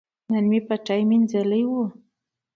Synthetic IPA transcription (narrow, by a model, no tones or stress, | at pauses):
nanmipaʈ͡ʂajmind͡zaləjwu